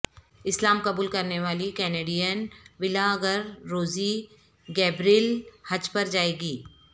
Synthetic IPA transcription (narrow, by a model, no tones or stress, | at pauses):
ɪslaːmkɐbuːlkɐɾneʋaːlikɛːneːɖijənʋɪlaɡəɾːoːzi | ɡɛːbɾilhɐd͡ʒpɐɾd͡ʒaːeːɡiː